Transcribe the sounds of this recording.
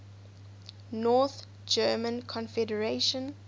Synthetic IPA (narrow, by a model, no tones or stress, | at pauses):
nɔθ | d͡ʒɜːmə̃nkʰɔ̃nfɛdəɹeʃə̃n